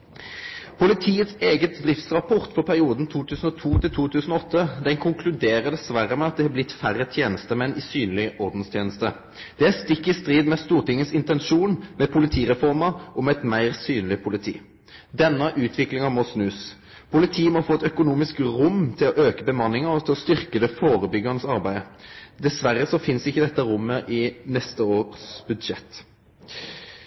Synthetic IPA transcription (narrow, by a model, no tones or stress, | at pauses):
pʰʊlɪt̪ʰiːət̪seːɡət̪̚d̪ʁɪft̪sʁɑpʰɔʁt̪fɔʁpʰæʁɪuːd̪n̩t̪ʰuːt̪ʰʉːsn̩ɔt̪ʰuːt̪ɪlt̪ʰuːt̪ʰʉːsn̩ɔɔt̪ʰːəd̪ɛnkʰʊŋkʰlʉd̪eːɾəʁd̪ɛsʋæɾəmɛɑt̪̚d̪ɛhɑblɪt̪ːfæʁːət̪ʰjeːnəst̪əmɛnːʔɪsyːnlɪʔɔʁd̪n̩st̪ʰjeːnəst̪ə | d̪̥ɛæst̪ɪkːɪst̪ʁiːd̪mɛst̪uːʁʈ̪ɪŋːəsɪnt̪ɛnʃuːnmɛpʰʊlɪt̪ʰiːʁɛfɔʁmɑʔɔmɛɛt̪mæɪʁsyːnlɪpʰʊlɪt̪ʰḭː | d̪ɛnːəʔʉːt̪ʰʋɪklɪŋɑmɔsnʉːs | pʊlɪt̪ʰiːmɔfoːɛt̪œkʊnuːmɪskʁʊmt̪ʰɪlɔʔøːkəbəmɑnːɪŋɑɾɔt̪ʰɪlɔst̪ʏʁkəd̪ɛfoːɾəbʏɡɑʁnəsɑʁbæɪəd̪ɛsʋæɾːəsɔfɪnsɪçːəd̪ɛt̪ːəɾʊmːəʔɪnɛst̪əoːʁsbʉd̪ʃɛt̪ː